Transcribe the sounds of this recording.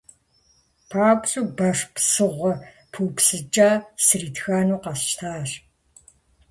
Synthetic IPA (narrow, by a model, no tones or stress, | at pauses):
pʰaːpʼɕʼuːbɐʂpsɨʁʷɔ | pʰuːpsɨt͡ʃʼaːsɨriːtʰxaːnuːqɐsʃtʰaːr